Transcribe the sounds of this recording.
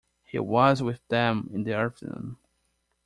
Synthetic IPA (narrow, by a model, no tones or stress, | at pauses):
hḭwʌzwɪðɛ̃mɪ̃nðiɑɹftʰənṵ̃n